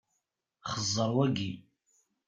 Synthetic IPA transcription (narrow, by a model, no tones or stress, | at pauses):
χəzawaɡʲi